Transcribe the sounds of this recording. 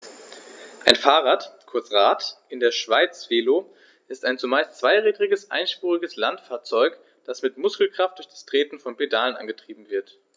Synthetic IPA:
ʔaɪnfaːʁaːtkʰʊɐt͡sʁaːtʔɪndeːɐʃv̥aɪt͡sv̥eːloː | ʔɪstaɪnt͡sumaɪst͡sv̥aɪʁiːdʁɪɡəsʔa̰ɪnʃpuːʁɪɡəslantfaːɐt͡sɔʏk | d̥asmɪtmʊskl̩kʁ̥aft̚d̥ʊɐçd̥ḁstʁ̥eːtn̩fɔnpedaːlənʔa̰nɡətʁ̥iːbm̩vɪɐt

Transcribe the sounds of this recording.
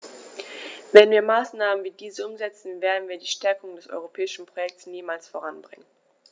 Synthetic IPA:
vɛnviːɐmaːsnaːmənviːdiːzəʔʊmzɛt͡sn̩veːɐdn̩viːɐdiːʃtɛɐkʊŋdɛsʔɔ̰ʏʁ̞opʰɛːɪʃn̩pʁ̥ojɛk̚tsniːmaːlsfoʁ̞anbʁɪ̰ŋən

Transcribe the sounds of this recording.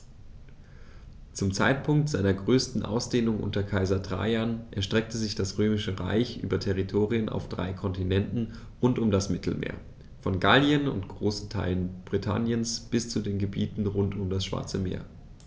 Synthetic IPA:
t͡sʊmt͡sa̰ɪtpʰʊŋk̚tz̥aɪnɐɡʁøːstn̩ʔa̰ʊsd̥eːnʊŋʔʊ̰ntɐkʰaɪzɐtʁ̥a̰ɪanʔɛɐʃtʁ̥ɛk̚təzɪçd̥asʁøːmɪʃəʁa̰ɪçʔy̰ːbɐtʰɛʁ̞itʰoːʁiənʔa̰ʊfd̥ʁa̰ɪkʰɔntinɛntn̩ | ʁʊntʊmdasmɪtʰl̩mḛːɐ | fɔnɡaljənʊ̰ntɡ̥ʁoːsn̩tʰa̰ɪlənb̥ʁitʰa̰njənsb̥ɪst͡sudeːnɡəbiːtn̩ʁʊntʊmdasʃv̥a̰ɐt͡səmḛːɐ

